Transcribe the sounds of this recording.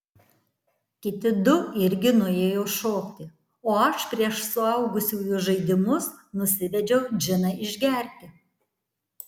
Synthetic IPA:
kʲɪt̪ʲɪd̪ʊɪɾʲɡʲɪnʊeːjɛʊʃoːkt̪ʲɪ | oːɐʃpʲɾʲiɛʃsʊɐˑʊɡʊsʲuːjʊʒɐɪd̪ʲɪmʊsnʊsʲɪʋʲɛd͡ʒʲɛʊd͡ʒʲɪnɐɪʒʲɡʲɛˑɾʲt̪ʲɪ

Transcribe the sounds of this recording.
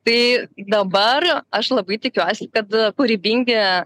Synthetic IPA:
t̪ɐɪd̪ɐbɐrɐʃlˠɐbɐɪt̪ʲɪkʲuɔsʲɪ̥kɐt̪kʊɾʲibʲiŋʲɡʲɪ

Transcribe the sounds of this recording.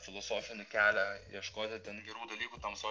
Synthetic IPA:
fʲɪlˠosoːfʲɪnʲɪkʲæːlʲæiɛʃkoːt̪ʲɪt̪ʲenɡʲɛɾuːd̪ɐlʲiːkuːt̪ɐmsoː

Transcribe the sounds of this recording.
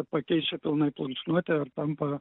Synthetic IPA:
pɐkʲɛɪt͡ʃʲɛpʲɪlˠnɐɪplˠɐŋt͡ʃʲnuɔt̪ʲɛɐrt̪ɐmpɐ

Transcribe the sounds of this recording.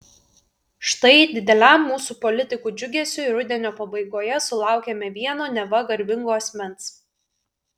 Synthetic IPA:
ʃt̪ɐɪd̪ʲɪd̪ʲɛlʲæˑmːuːsuːpɔlʲɪt̪ʲɪkuːd͡ʒʲʊɡʲeːsʲʊɪɾʊd̪ʲɛnʲoːpɐbɐɪɡoːjɛsʊlˠɑˑʊkʲeːmʲɛʋʲiɛnoːnʲɛʋɐɡɐɾʲbʲɪŋɡoːɐsʲmʲɛns

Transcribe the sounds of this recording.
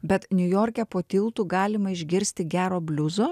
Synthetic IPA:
bʲɛt̪nʲʊjoːɾʲkʲɛpoːt̪ʲɪlˠt̪uːɡɑːlʲɪmɐɪʒʲɡʲɪɾʲsʲt̪ʲɪɡʲæːɾoːbʲlʲʊzoː

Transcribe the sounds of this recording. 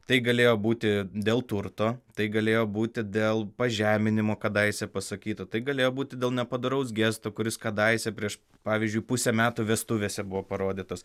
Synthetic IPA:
t̪ɐɪɡɐlʲeːjoːbuːt̪ʲɪd̪ʲeːlˠt̪ʊɾt̪oːt̪ɐɪɡɐlʲeːjoːbuːt̪ʲɪd̪ʲeːlˠpɐʒʲæːmʲɪnʲɪmoːkɐd̪ɐɪsʲɛpɐsɐkʲiːt̪ot̪ɐɪɡɐlʲeːjoːbuːt̪ʲɪd̪ʲeːlˠnʲɛpɐd̪ʊɾɐʊs̬ɡʲeːst̪oːkʊɾʲɪskɐd̪ɐɪsʲɛpʲɾʲiɛʃ | pɑːʋʲizʲd͡ʒʲʊɪpʊsʲɛmʲæːt̪uːʋʲɛst̪ʊʋʲeːsʲɛbʊʋoːpɐɾoːd̪ʲɪt̪oːs

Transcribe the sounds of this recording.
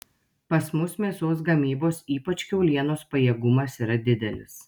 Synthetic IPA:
pɐsmʊsmʲeːsoːsɡɐmʲiːboːsiːpɐt͡ʃʲkʲɛʊlʲiɛnoːspɐjiɛːɡʊmɐsiːɾɐd̪ʲɪd̪ʲɛlʲɪ̰s

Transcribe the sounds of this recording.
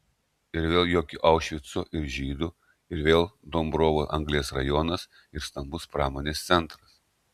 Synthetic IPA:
ɪɾʋʲeːlˠjoːkʲʊʔɐʊʃʲʋʲɪt̪soʔɪɾʒʲiːd̪ʊ | ɪɾʋʲeːlˠd̪oːmbɾoːʋoʔɐ̰ŋɡlʲiɛsɾɐ̰jɔnɐs | ɪɾst̪ɐmbʊspɾɑːmoːnʲeːst̪sʲɛnˑt̪ɾɐs

